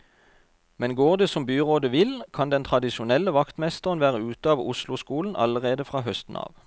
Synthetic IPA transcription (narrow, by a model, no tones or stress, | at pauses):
mɛnɡoːʁd̪əsɔmbyːʁoːd̪əʋɪlkʰɑnd̪ɛnt̪ʰʁɑd̪ɪʃʊnɛlːəʋɑkt̪mɛst̪əʁənʋæːʁəʉːt̪əɑːʋʊslʊskuːln̩ʔɑ̰ləʁeːd̪əfʁɑːɦœst̪n̩ɑ̰ːʋ